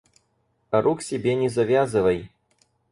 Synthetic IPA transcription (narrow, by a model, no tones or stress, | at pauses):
ɐɾʔuksʲɪbʲenʲɛzɐvʲazɨvɐj